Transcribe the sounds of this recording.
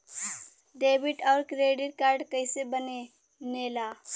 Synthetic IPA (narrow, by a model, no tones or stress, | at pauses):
ɖeːbɪʈɔːɾkɾeːɖɪɾkaːɾɖkəɪsebəne | neːlaː